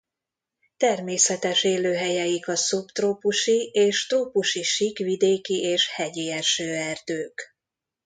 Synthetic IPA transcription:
t̪ɛrmeːsɛt̪ɛʃeːløːɦɛjɛjikɒsupt̪roːpuʃieːʃt̪roːpuʃiʃikʋid̪eːkiʔeːʃhɛɟiɛʃøːɛrd̪̥øːk

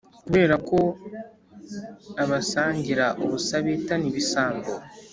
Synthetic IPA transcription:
kuβe̞ːɾako̞ | aβasaːɲɟiɾaʔuβusaβitaniβisaːŋɡo

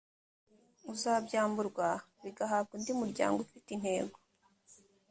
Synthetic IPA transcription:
uzaːbɟaːmbuɾɡwaβiɡaɦaːb̚ɡindimuɾɟa̰ːŋɡoufitin̥he̞ːɡo

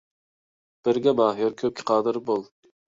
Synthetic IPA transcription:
b̥ɪɾɡʲɛmɑːɦɪɾkʲʰøp̚kʲʰɪ̥qʰɑːd̪ɨɾbolˠ

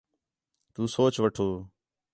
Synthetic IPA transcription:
t̪uːsoːt͡ʃʋəʈʰoː

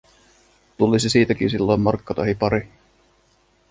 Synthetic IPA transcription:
t̪ulisisiːt̪æk̟insilːo̞jmːɑrkːɑt̪ohipɑɾi

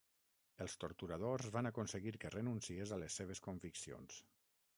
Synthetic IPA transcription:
əlˠst̪oɾt̪uɾað̞ozβanakonsəɣiɾkərənunsiezaləsːeβ̞eskoɱviksio̰ns

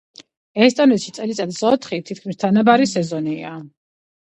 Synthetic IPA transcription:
ɛst̪ʼɔnɛt̪ʃit̪sʼɛlit̪sʼat̪sɔt̪ʰχit̪ʰit̪̚ʰkʰmist̪ʰanabaɾisɛzɔnia

